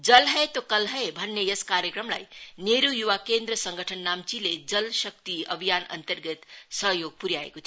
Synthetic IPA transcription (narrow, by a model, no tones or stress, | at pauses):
d͡zʌlɦʌjt̪okʌlɦʌebʱʌnːejʌskaɾjekrʌmla̰jneɾujuwakend̪rʌsʌŋɡʱəʈʰʌnːamt͡siled͡zʌlsʌk̚t̪iʌ̰bʱijanʌ̰nt̪ʌrɡʌt̪sʌɦjoɡ̚puɾjaḛkot̪ʰj